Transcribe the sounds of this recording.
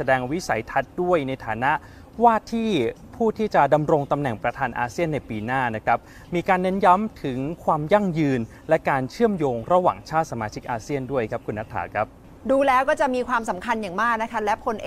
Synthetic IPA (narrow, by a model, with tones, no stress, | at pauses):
sa˧dɛː˧ŋwi˦˥sa̰˩˦jt̪ʰa˦˥t̪̚du˥˩əjna˧jt̪ʰa̰ː˩˦na˦˥ʔ | waː˥˩t̪ʰiː˥˩pʰuː˥˩t̪ʰiː˥˩t͡ɕa˨˩da˧mɾo˧ŋt̪a˧mnɛ˨˩ŋpɾa˧t̪ʰaː˧nʔa̰ː˧si˥˩ənːa˧jpiː˧naː˥˩na˦˥kʰɾa˦˥p̚ | miː˧kaː˧nːɛ˦˥nja˦˥mt̪ʰɯ˩˦ŋkʰwaː˧mja˥˩ŋjɯː˧n | lɛ˦˥kaː˧nt͡ɕʰɯ˥˩əmjoː˧ŋɾa˧˥wa̰ː˨˩ŋt͡ɕʰaː˥˩t̪̚sa˧maː˧t͡ɕʰi˦˥k̚ʔaː˧si˥˩əndu˥˩əjkʰa˦˥p̚kʰu˧nːa˦˥k̚t̪ʰa̰ː˩˦kʰɾa˦˥p̚ | duː˧lɛː˦˥wkɔː˥˩t͡ɕa˨˩ʔmiː˧kʰwaː˧msa˩˦mkʰa˧njaː˨˩ŋmaː˥˩k̚na˦˥kʰa˦˥lɛ˦˥kʰo˧nʔe˨